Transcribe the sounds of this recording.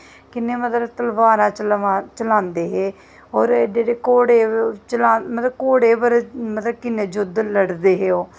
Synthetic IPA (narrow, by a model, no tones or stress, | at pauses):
kɪnːeːmət̪ləbt̪əlʋaːnaːt͡ʃəat͡ʃəlãːnd̪eːɦeː | ɔːɾd͡ʒeːɽeːkoːɽeːt͡ʃəlaːmət̪ləbkoːɽeːʋəɾmət̪ləb̚kɪnːeːd͡ʒʊd̪ləɽd̪eːɦeːoː